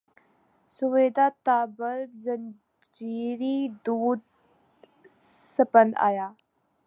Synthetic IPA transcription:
suʋeːd̪at̪aːbəɾzən | d͡ʒiːɾid̪uːd̪̚ | səpənd̪a̰ːjaː

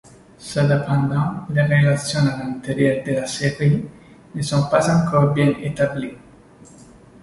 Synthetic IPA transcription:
sad̪apand̪ãlerelat̪sjonalant̪eɾjoɾd̪elasɛkuli | nesɔmpasaŋkɔɾbɛnet̪abli

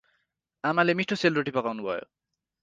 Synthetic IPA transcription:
amalemiʈʰːoselɾoʈipɔkawnubɔjo̰

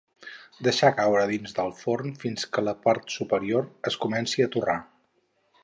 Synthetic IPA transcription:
d̪əʃakawɾəðinzðəlˠfornfinskələpaɾt̪supəɾioɾəskumɛnsiət̪ura

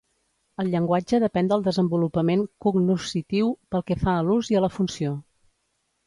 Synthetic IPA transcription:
əlˠʎəŋɡwad͡ʒəðəpɛnd̪əlˠd̪əzəmbulupəmeŋkuɡnusit̪iwpəlˠkɛfaəluziələfunsio

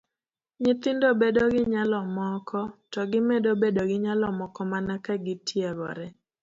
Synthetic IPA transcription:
ɲɪt̪ɪndobedoɡɪɲalɔmɔkʰɔtɔɡɪmedobedoɡɪɲalɔmɔkɔmanakaɡɪtʰjeɡɔ̰ɾɛ

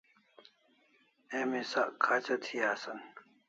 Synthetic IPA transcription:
emisaʔkʰːaːt͡ɕɐt̪ʰiaːsɐn

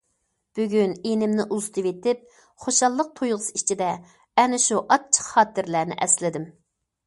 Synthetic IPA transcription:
b̥yɡʲynenɪmnɪʔuzt̪ʰɨvet̪ɪp̚ | χoʃɑlˠːəq̚t̪ʰojʁəsit͡ʃʰid̪ɛ | ɛnɪʃuʔɑt͡ʃʰə̥qχɑːt̪ɪɾlæːnɪ̰ʔɛslɪd̪ɪm

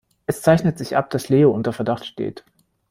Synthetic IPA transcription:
ʔɛst͡saɪçnətz̥ɪçʔa̰p̚d̥asleːoʔʊntɐfɛɐdaχtʃtḛːt

